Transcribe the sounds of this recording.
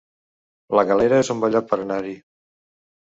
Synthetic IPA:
ləɣaleɾəezumbəʎat̪̚pəɾənaɾi

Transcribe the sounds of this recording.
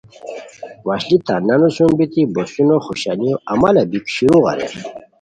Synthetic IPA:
waɕlit̪ananosumbit̪ibosunoχuɕalioʔɐmalabikɕiɾũɣɑ̰ɾḛ

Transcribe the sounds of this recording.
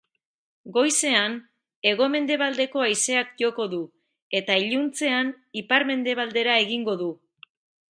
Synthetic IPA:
ɡo̞jse̞an | e̞ɣ̞o̞me̞nd̪e̞βald̪e̞ko̞ajse̞akʝo̞ko̞ðu | e̞t̪aiʎunt͡se̞an | ipaɾme̞nd̪e̞β̞ald̪e̞ɾae̞ɣiŋɡo̞ðu

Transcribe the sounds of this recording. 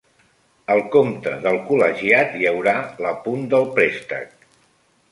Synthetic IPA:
əlˠkomt̪ə̰ðəlˠkuləʒiat̪jəwɾaləpund̪əlˠpɾest̪ə̰k̚

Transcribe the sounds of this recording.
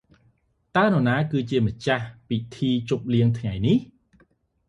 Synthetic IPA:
t̪aənonaːkɨːt͡ɕiəmə̆t͡ɕahpit̪ʰiːt͡ɕup̚liəŋt̪ʰŋajnih

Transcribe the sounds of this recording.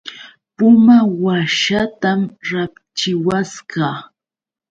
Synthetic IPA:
pʊmawaʃat̪amɾap | t͡ʃɪwaskɑː

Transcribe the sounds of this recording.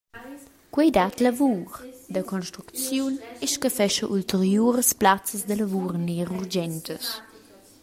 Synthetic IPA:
kwɛjd̪at̪lavuɾd̪əkɔnʃt̪ɾukt͡sjunɛʃkəfɛʃəʔult̪əɾjuɾəsplat͡səsd̪ələvuɾneʁurd͡ʒɛnt̪əs

